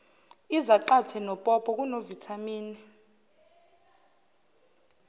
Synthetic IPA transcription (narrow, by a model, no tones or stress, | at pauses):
izaǃatʰɛnɔpʼɔpʼɔk̬ʼunovitʰamiːni